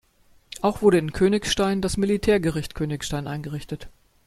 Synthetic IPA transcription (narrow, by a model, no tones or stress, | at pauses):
ʔaʊxv̥ʊɐɾəɪnkʰøːnɪçʃtaɪndasmilitʰɛːɐɡəʁɪçtkʰøːnɪçsʃtaɪnʔa̰ɪnɡəʁɪçtət